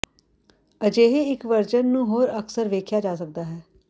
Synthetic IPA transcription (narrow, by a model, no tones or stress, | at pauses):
əd͡ʒeːɦeɪkʋəɾd͡ʒənːũːɦoːɾəksəɾʋeːkʰjaːd͡ʒaːsək̚d̪aːɦɛː